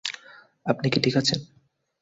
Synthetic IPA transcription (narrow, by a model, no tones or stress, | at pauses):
apnikiʈʰikʰat͡ɕʰen